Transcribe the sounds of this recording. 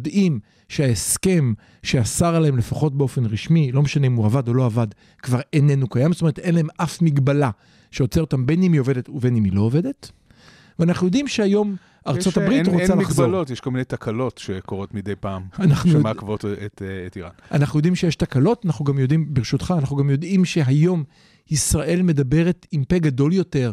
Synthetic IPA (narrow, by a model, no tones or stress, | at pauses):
jod̪im | ʃeaeske̞m | ʃeasaʁalaemle̞faχo̞t̚beo̞fe̞nʁiʃmilo̞meʃaneimuavado̞lo̞avad | kvaʁene̞nukajamzotome̞ete̞nlaemʔafmiɡbala | ʃeot͡seotambenimio̞ve̞det̪uve̞nimilo̞ːve̞de̞t | veanaχnujo̞d̪imʃeajo̞m | aʁt͡so̞tabʁitʁot͡salaχzolotjeʃkolminejtakalo̞tʃekoʁotmid̪ejpaːmanaχnumakvotetetiʁa̰nanaχnujod̪imʃejeʃtakalo̞tanaχnuɡamjo̞dimbeʁiʃutχaːnaχnuɡamjo̞dimʃe̞ɦajo̞m | isʁaʔe̞lme̞dabe̞ʁetimpeɡado̞ljo̞te̞ʁ